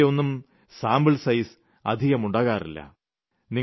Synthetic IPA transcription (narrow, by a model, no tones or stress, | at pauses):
o̞nːum | saːmbɨɭsɐjs | ɐ̰d̪ʱiɣɐmuɳɖaːɣaːrḭlːɐ̰ | ni